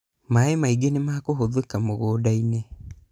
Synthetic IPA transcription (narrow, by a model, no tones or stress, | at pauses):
maemaiɡenemaːkoɦoðekamoɣoːdaine